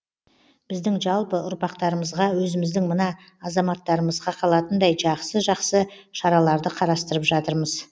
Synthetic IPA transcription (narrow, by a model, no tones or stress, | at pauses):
b̥ɪzd̪ɪŋʒɑlˠpəʔʊɾpɑqt̪ɑɾəməzʁɑwɵzɪmɪzd̪ɪŋmənɑː | zɑmɑt̪ːɑɾəməzʁɑqʰɑlˠɑt̪ənd̪ɑjʒɑqsəʒɑqsəʃɑɾɑlˠɑɾd̪əqʰɑɾɑst̪əɾəpʒɑt̪əɾməz